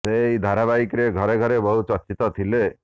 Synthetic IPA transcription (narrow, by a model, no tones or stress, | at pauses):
seid̪ʱaɾabajikɾeɡʱɔɾeɡʱɔɾebɔɦut͡ʃɔt͡ʃit̪ɔt̪ʰile